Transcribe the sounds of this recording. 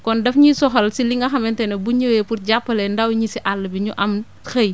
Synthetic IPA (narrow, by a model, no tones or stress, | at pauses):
kɔndɛfɲisɔxɐlsiliŋɡɐxɐmɛntɛnɐbuɲəwɛpuɾɟapːɐlɛndawɲisiʔalːɐbiɲuʔɐm | xɐj